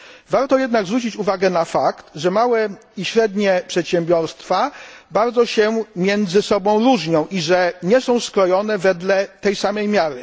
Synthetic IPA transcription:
vaɾt̪ɔjɛd̪naɡzvɾut͡ɕit͡ɕuvaɡɛnafakt̪ʐɛmawɛiɕɾɛd̪ɲɛpʂɛt̪ɕɛmbʲjɔɾst̪fabaɾd̪zɔɕɛmʲjɛnd̪zɘsɔbɔ̃w̃ɾuʐɲɔ̃w̃ʔiʐɛɲɛsɔ̃w̃skɾɔjɔnɛvɛd̪lɛt̪ɛjsamɛjmʲjaɾɘ

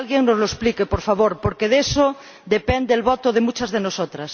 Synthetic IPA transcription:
alɣjeŋnozloesplikepoɾfaβoɾpoɾkeðeso | d̪epend̪eːlβot̪oðemut͡ʃazðenosot̪ɾas

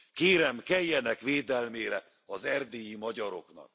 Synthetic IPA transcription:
keːɾɛmkɛjːɛnɛkʋeːd̪ɛlmeːɾɛ | ɒzɛrd̪ejimɒɟɒɾo̞knɒ̰k

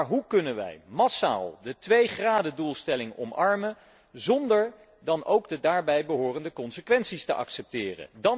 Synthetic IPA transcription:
ɹɦukɵnənʋɛ̰jmɑsa̰ːlˠdətʋejχraːdədulˠstɛlɪŋɔ̰mɑɹmə | zɔndəɹ | dɑnowɡdədaːɹbɛjbəɦoːrəndəkɔnsəkʋɛnsistəʔɑ̰ksɛp̚tɪːrə̰ndɑ

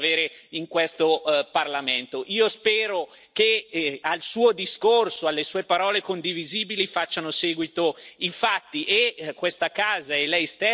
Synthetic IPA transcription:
veːɾeiŋkwest̪oparlament̪oʔiːospɛːɾo | kealsuːod̪iskorsoalːesuːepaɾɔːlekond̪iviziːbilifat͡ʃːanoseːɡwit̪oifat̪ːiʔekːwest̪akaːzaɛlɛjst̪e

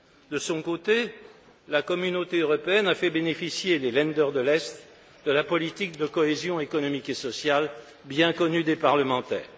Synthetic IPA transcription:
d̪əsɔ̃kot̪e | lakɔmynot̪eøʁɔpeɛnafɛbenefisjelelɛ̃d̪œʁd̪əlɛst̪ | d̪əlapɔlit̪ik̚d̪əkɔezjɔ̃ekɔnɔmikesɔsjal | bjɛ̃kɔnyd̪epaʁləmɑ̃t̪ɛ̰ːʁ

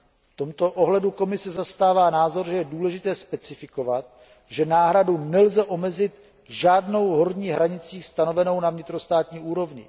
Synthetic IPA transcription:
ft̪o̞mt̪o̞ʔo̞ɦlɛduko̞mɪsɛzast̪aːvaːnaːzo̞ɾʒɛjɛduːlɛʒɪt̪ɛːspɛt͡sɪfɪko̞vat̪̚ | ʒɛnaːɦɾadunɛlzɛʔo̞mɛzɪt̪ | ʒaːdno̞wɦo̞ɾɲiːɦɾaɲɪt͡siːst̪ano̞vɛno̞wnavɲɪt̪ɾo̞st̪aːt̪ɲiːuːɾo̞vɲɪ̰

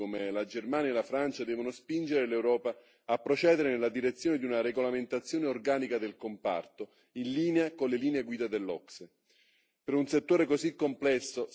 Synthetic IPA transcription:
omelad͡ʒermaːnjaelafɾant͡ʃad̪ɛːvonospind͡ʒeɾelewɾɔːpaː | pːɾot͡ʃɛːd̪eɾenelːad̪iɾet̪sːjoːned̪iunaɾeɡolament̪at̪sːjoːneorɡaːnikad̪elkompa̰rt̪o | inliːneakonleliːneeɡwiːd̪ad̪elːɔkse | peɾunset̪ːoːɾekozikːomplɛsːo

